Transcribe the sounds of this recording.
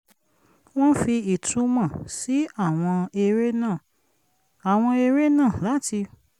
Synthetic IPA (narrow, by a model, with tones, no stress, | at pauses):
w̃ɔ̃˦fi˧i˨tʰũ˨˦mã˨si˨˦a˦˨w̃ɔ̃˧e˧ɾe˦nãː˦˨ | a˨w̃ɔ̃˧e˧ɾe˦nã˦˨la˨˦ti˧